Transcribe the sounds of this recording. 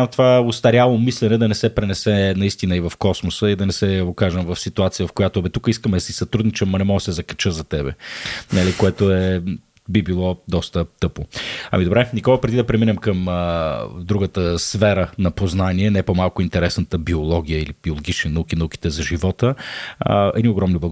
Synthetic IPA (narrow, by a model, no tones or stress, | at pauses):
amt̪ovaost̪ɐɾʲjalˠomislɛnɛd̪ɐnɛsɛpɾɛnɛsɛnɐist̪inəivɐfkɔsmosəid̪ɐnɛsɛokaʒəmvɐfsit̪uat̪sijəvɐfkojat̪oɛbɛt̪ukəiskəmɛd̪ɐsisɐt̪ɾud̪nit͡ʃɛmːɐnɛmɔɡəsɛzɐkɐ̥t͡ʃəzɐt̪ɛbɛ̰nalikoɛt̪oɛ | bibilˠɔd̪ɔst̪ət̪ɤpoɐ̰mid̪obɾɛnikɔlˠəpɾɛd̪id̪ɐpɾɛminɛmkəməd̪ɾuɡət̪əsfɛɾənɐpoznaniɛnɛpomalˠkʊint̪ɛɾɛsnət̪əbiolˠɔɡ̟ijəilib̥iolˠoɡʲit͡ʃninɐuk̟inɐuk̟i̥t̪ɛzɐʒivɔt̪ə̰ | ɛ̰d̪nioɡɾɔmniblˠɐ